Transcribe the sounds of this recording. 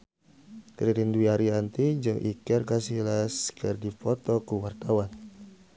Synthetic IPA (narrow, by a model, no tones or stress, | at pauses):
kɾiɾinduiaɾiant̪id͡ʒɨŋʔḭkɛrkasilaskərdipɔt̪ɔkuwart̪awan